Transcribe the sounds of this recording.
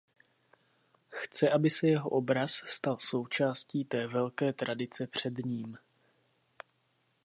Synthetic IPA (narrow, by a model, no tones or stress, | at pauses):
xt͡sɛʔabɪsɛjɛɦo̞ʔo̞bɾasst̪also̞wt͡ʃaːsciːt̪ɛːvɛlkɛːt̪ɾadɪt͡sɛpr̝̥ɛdɲiːm